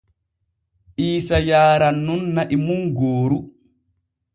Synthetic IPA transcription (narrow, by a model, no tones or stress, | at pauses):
ʔiːsajaːɾanːunːaʔimuŋɡoːɾu